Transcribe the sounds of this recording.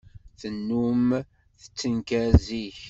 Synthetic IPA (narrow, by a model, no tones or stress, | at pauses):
θənːum | θə̥t͡sːənkæziç